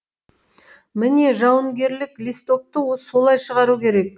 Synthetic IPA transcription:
mɪne̞ʒɑwəŋɡʲe̞ɾlɪklist̪o̞p̚t̪əwoso̞lˠɑjʃəʁɑɾukʲʰe̞ɾe̞k̚

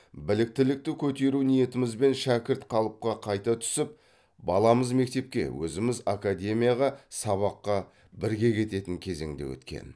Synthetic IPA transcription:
bɪlɪk̚t̪ɪlɪk̚t̪ɪkʲʰɵt̪e̞ɾunije̞t̪ɪmɪzbe̞nʃækʲɪɾt̪qʰɑlˠəp̚qɑqʰɑjt̪ɑt̪ʰʏ̥sɪp̚ | bɑlˠɑməzme̞k̚t̪e̞p̚kʲe̞̰wɵ̰zɪmɪzakad̪ʲe̞mʲijaʁɑsɑβɑqːɑ | bɪɾɡʲe̞kʲʰe̞t̪e̞t̪ɪŋkʲʰe̞ze̞̰ŋd̪e̞̰wɵ̰t̪kʲe̞̰n

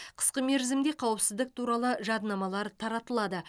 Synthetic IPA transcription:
qʰə̥sqəme̞ɾzɪmd̪e̞qʰɑwəpsɪzd̪ɪk̚t̪ʰuɾɑlˠəʒɑd̪nɑmɑlˠɑɾt̪ʰɑɾɑt̪əlˠɑd̪ə

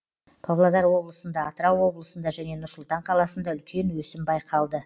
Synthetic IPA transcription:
pʰavlˠad̪ɑɾwo̞blˠəsənd̪ɑːt̪ɾɑwo̞blˠəsənd̪ɑʒæne̞nʊɾsʊlˠt̪ɑɴqʰɑlˠɑsənd̪ɑʏlkʲʰe̞nwɵsɪmbɑjqʰɑlˠd̪ə

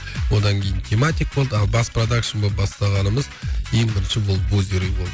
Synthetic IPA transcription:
wo̞d̪ɑŋkʲʰe̞jɪnt̪ʲʰemat̪ʲik̚bo̞lˠd̪əɑlˠbɑsprod̪akʂənbobɑst̪ɑʁɑnəməzʰe̞ŋbɪɾɪnʃɪbolˠɵzeɾijbo̞lˠd̪əə

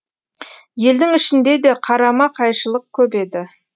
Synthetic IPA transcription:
je̞ld̪ɪŋɪʃɪnd̪e̞d̪e̞qʰɑɾɑmɑqʰɑjʃəlˠəq̚kʲʰɵpe̞d̪ɪ

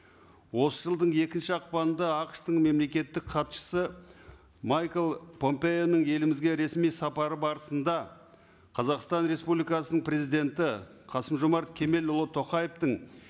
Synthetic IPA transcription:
wo̞səʒəlˠd̪əɴe̞kʲɪnʃɪɑq̚pɑnənd̪ɑɑqəʃt̪əɴme̞mle̞kʲe̞t̪ːɪkqʰɑt̪ʃə̥sə | majkelˠpʰo̞mpe̞jo̞nəɴe̞lɪmɪzɡʲe̞ɾe̞smijsɑpɑɾəbɑɾəsənd̪ɑ | qʰɑzɑqst̪ɑnɾe̞spublʲijkɑsənəɴpre̞zijd̪ʲe̞nt̪ɪqʰɑsəmʒomɑɾt̪kʲʰe̞me̞lʊlˠət̪ʰːo̞qɑjeft̪əɴ

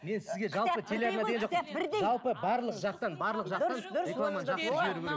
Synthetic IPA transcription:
me̞nsɪzɡʲe̞ʒɑlpət̪ʰeleɾmɑd̪eɡʲenʒoqbɪʒɑlˠpəbɑɾlˠəqʒɑq̚t̪ɑnbɑɾlˠəqʒɑɑnɾʲeamɑnʒɑq̪ʒɪbe̞ɾuɡʲʰeɾe

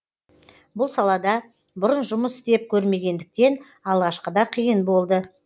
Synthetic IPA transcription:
bʊlˠsɑlˠɑd̪ɑ | bʊɾənʒʊməsɪ̥st̪e̞p̚kʲʰɵɾme̞ɡʲe̞nd̪ɪk̚t̪e̞n | ɑlˠʁɑʃqəd̪ɑqʰijənbo̞lˠd̪ə

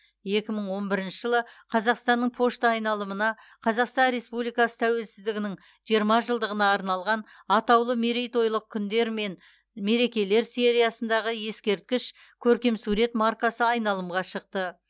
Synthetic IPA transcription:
je̞kʲɪməɴwo̞nbɪɾɪnʃɪʒəlˠəqʰɑzɑqst̪ɑnːəɴpʰo̞ʃt̪ɑjnɑlˠəmənɑ | qʰɑzɑqst̪ɑnɾe̞spublijkɑsə̥t̪ʰæwe̞lsɪzd̪ɪɡʲɪnɪŋ | ʒ̥ijəɾmɑʒəlˠd̪əʁənɑːɾnɑlˠʁɑn | ɑt̪ɑwlˠəmeɾijt̪o̞jlˠəq̚kʲʰʏnd̪e̞ɾme̞n | me̞ɾe̞kʲe̞le̞ɾse̞ɾijɑsənd̪ɑʁəje̞skʲe̞ɾt̪̚kʲɪʃ | kʲʰɵɾkʲe̞msuɾe̞t̪maɾkasəɑjnɑlˠəmʁɑʃəq̚t̪ə

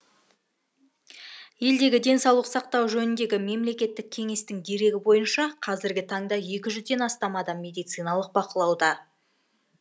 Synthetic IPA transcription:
je̞ld̪e̞ɡʲɪd̪e̞nsɑwlˠəqsɑqt̪ɑwʒɵnɪnd̪e̞ɡʲɪme̞mle̞kʲe̞t̪ːɪk̚ʲʰe̞ŋe̞st̪ɪŋd̪e̞ɾe̞ɡʲɪbo̞jənʃɑqʰɑzɪɾɡʲɪt̪ʰɑɴd̪ɑje̞kʲɪʒʏzd̪e̞nɑst̪ɑmɑd̪ɑmːe̞d̪ijt̪sɨjnɑlˠəq̚bɑqəlˠɑwd̪ɑ

